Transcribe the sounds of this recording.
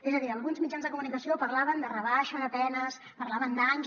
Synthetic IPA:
ezəðiəlˠɣunzmid͡ʒanzðəkumunikəsiopəɾlaβənd̪ərəβaʃəðət̪ɛnəs | pəɾlaβənd̪aɲ

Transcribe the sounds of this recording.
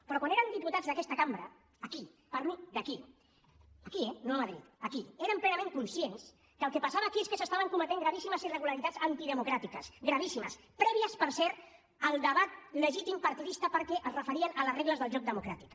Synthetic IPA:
pɾɔkwaneɾənd̪iput̪ad͡zðəkɛst̪əkambɾə̰ː | ki | paɾlud̪əki | əkiɛnoməðɾḭt̪əkieɾəmplɛnɐmẽŋkunsjens | kəlˠkepasaβəːkieskəsəst̪aβəŋkumət̪eŋɡɾəβ̞isiməzirəɣ̞uləɾit̪ad͡zzənt̪iðəmukɾat̪ikəsɡɾəβ̞isimə̰s | pɾɛβiəspəɾsɛɾt̪ | əlˠd̪əβat̪ləʒit̪impaɾt̪iðist̪əpəɾkɛʔəzrəfəɾiənələreɣləzðəlˠʒɔk̚d̪əmukɾat̪ik

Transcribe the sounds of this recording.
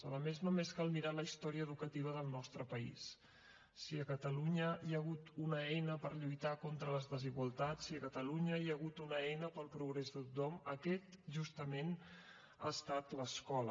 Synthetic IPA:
ələmeznomeskalˠmiɾaləist̪ɔɾiəːðukət̪iβ̞əðəlˠnɔst̪ɾəpəḭsː | iəkət̪əluɲəiəɣ̞ut̪unəɛjnəpəɾʎujt̪akont̪ɾələzðəziɣwəlˠt̪at͡siəkət̪əluɲəjəɣut̪unəɛjnəpəlˠpɾuɣ̞ɾezðət̪ut̪ɔməkɛt̪ʒust̪əmen | a̰ːst̪at̪ləskɔlə

